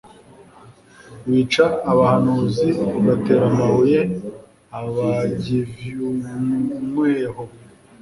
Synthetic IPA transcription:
βit͡ʃaːβahanuːziβate̞ɾamahuje | aβaɟivju | mweːho

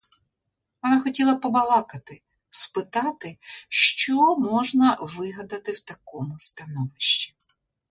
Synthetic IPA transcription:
ʋɔnɑxɔtʲilˠɐpɔbɐlˠɑkɐt̪ɪ | spɪt̪ɑt̪ɪʃt͡ʃɔmɔʒnɐʋɪɦɐd̪ɐt̪ɪwt̪ɐkɔmʊst̪ɐnɔʋɪʃt͡ʃʲi̥

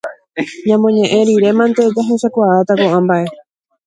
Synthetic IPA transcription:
ɲãmõɲẽ̞ʔẽɾiɾe̞mãnt̪e̞d͡ʒaɦe̞ʃakʷaʔat̪akoʔãmbaʔe̞

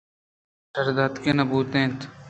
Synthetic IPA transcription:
ʃɐɾd̪aːd̪kenɐbuːt̪ẽːt̪

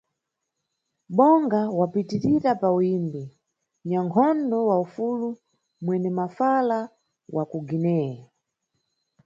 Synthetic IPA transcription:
ɓɔŋɡawapitiɾiɾapawimbi | ɲaŋkʰɔndɔwaufulu | mwɛnɛmafala | wʔakuɡinɛɛ

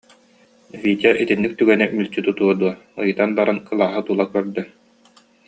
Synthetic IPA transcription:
viːt̪aʔit̪inːik̚t̪yɡɛnɛmylʲt͡ɕyt̪ut̪uɔd̪uɔɯjɯt̪anbaɾankɯlˠaːɦat̪ulˠakœɾd̪œ

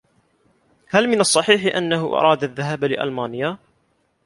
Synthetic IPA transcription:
halmɪnɑsˤːɑħiːħɪʔanːahʊʔɑ̰ɾˤɑːd̪aðːaɦaːblɪʔa̰lmaːnɪjːa

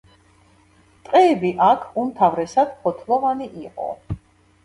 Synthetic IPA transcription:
t̪ʼqʼɛːbiʔakʰumt̪ʰavɾɛsad̪̥pʰɔt̪ʰlˠɔvaniʔiqʼɔ̰

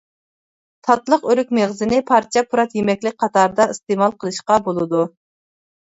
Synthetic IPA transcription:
t̪ʰɑt̪lˠəqøɾykʲmeʁzɪnɪpʰɑɾt͡ʃʰɛpʰuɾɑt̪jemɛkʲlɪk̚ʲqʰɑt̪ʰɑɾd̪ɑist̪emɑlˠqʰəlˠɨʃqɑbolˠɨd̪u

